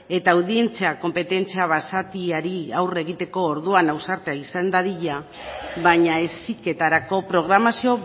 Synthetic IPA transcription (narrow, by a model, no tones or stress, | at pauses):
e̞t̪awðie̞nt͡seako̞mpe̞t̪e̞nt͡siaβasat̪iaɾiawre̞ɣ̞it̪e̞ko̞ːɾðuanawsaɾt̪eaisand̪aðiʎa | βaɲae̞sike̞t̪aɾako̞pɾo̞ɣɾamasio̞